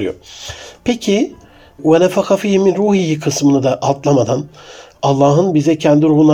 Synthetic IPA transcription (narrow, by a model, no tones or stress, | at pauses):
ɾɯ̰jo̰pʰecʰi | vanɛfakʰafijiminɾuːhijikʰɯsmɯnɯd̪aʔalˠt̪lˠamad̪analˠːaːɦɯnbizɛcʰɛnd̪iɾuhuna